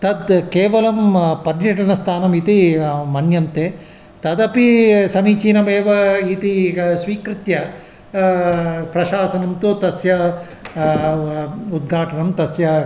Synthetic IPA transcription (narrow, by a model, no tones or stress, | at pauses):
t̪ɐd̪keːʋɐlɐmpɐɾjɐʈɐnɐst̪ʰaːnɐmit̪imɐnjɐnt̪e | t̪ɐd̪ɐpisɐmiːt͡ʃiːnɐmeːʋɐit̪isʋiːkɾɪt̪jɐ | pɾɐʃaːsɐnɐmt̪ut̪ɐsjɐ | ud̪̚ɡʱaːʈɐnɐmt̪ɐsjɐ